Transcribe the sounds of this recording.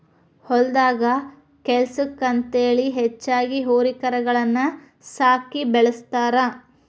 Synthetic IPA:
hɔld̪aːɡɐ | kelsukːɐnt̪eːɐɭiɦet͡ʃːaːɡiɦoːɾikɐɾɐɡɐɭɐnːɐ | saːkibɛɭɐst̪aːɾɐ

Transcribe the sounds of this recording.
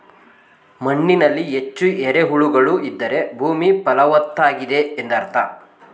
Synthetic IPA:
mɐɳːinɐlːiɦe̞t͡ʃːueɾe̞ɦuɭuɡɐɭuid̪ːɐɾe̞bʱuːmipɐlɐʋɐt̪ːaːɡid̪e̞ːnd̪ɐɾt̪ʰa

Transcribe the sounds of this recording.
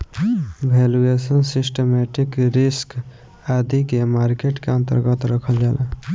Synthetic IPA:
bʱeluesənsisʈemɛʈikɾisk | ad̪ikemaɾkeʈkeə̃nt̪ə̰ɾɡət̪ɾəkʰəld͡ʒalḛ

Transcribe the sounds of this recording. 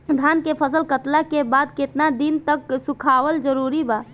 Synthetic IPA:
d̪ʱankepʰəsəlkət̪lakebad̪̚kɪt̪nad̪int̪əksukʰawəld͡ʒəɾuɾiba

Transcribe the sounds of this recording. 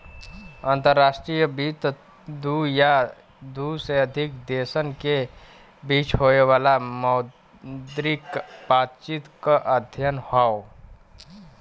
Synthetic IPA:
ãːnt̪əɾːasʈɾijəbit̪ | d̪uja | d̪useəd̪ʱikd̪esənke | bit͡ʃɦoeʋaːlamɔʊ | d̪ɾikbaːt̪t͡ʃit̪kəʔəd̪ʱjənhɔo

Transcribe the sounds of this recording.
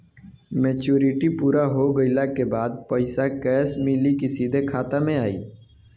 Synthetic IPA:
meːt͡ʃuːɾɪʈipuːɾaɦoɡəɪlakebaːd̪̚pɐɪsakɛːsmɪlikisiːd̪ʱekʰaːt̪amẽaːḭː

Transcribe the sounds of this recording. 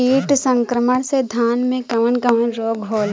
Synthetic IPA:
iːʈsə̃ŋkɾəməɽ̃sed̪ʱaːnmẽkɐʋənkɐʋənɾoːɡɦoːl

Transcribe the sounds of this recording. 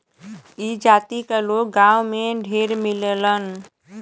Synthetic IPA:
id͡ʒat̪ikelok̚ɡãwmeɖʱeɾmilelən

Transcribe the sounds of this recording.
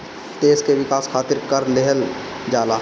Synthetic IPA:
t̪eːskeʋɪkaːskʰaːt̪ɪɾkəɾleɦəl | d͡ʒaːlaː

